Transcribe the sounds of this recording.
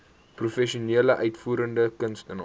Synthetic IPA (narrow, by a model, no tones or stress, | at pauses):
prufɛʃiuniələʔœɥtfuːɾəndəkənstən